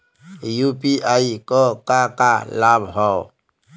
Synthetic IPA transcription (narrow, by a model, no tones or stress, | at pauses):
jupiʔaikɔkakalabɦɔ